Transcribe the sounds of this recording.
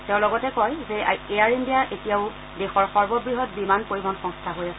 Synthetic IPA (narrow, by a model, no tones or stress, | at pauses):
teʊ̃lɔɡɔtɛkɔjzɛaeaɹindijaʔetijaʊ | dexɔɹxɔɹbɔbɹiɦɔt̚bimankoɹibʱɔnxɔŋstʰaɦojasɛ